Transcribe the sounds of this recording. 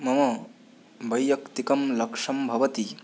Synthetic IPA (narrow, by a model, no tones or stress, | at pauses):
mɐmɐ | bɐjːɐkt̪ikɐmlɐkʂɐmbʱɐʋɐt̪i